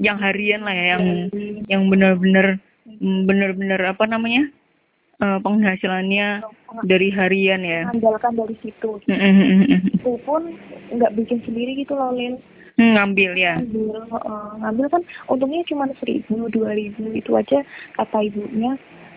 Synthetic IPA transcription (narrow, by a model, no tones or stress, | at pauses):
jaŋɦaɾianlahjajaŋjaŋbənərbənər | bənərbənərapanamaɲa | ʔəːpəŋɦasilanɲadaɾiɦaɾianjaamdalkandaɾisit̪um̩ʔm̩ːt̪upʊnŋɡaʔbikɪnsəndiɾiɡit̪ulolɪl̩ | ŋambɪljaambɪlɔ̰ʔəŋambɪlkanunt̪ʊŋɲat͡ʃumansəɾḭbuduaɾibuit̪ua̰d͡ʒakat̪aibuʔɲa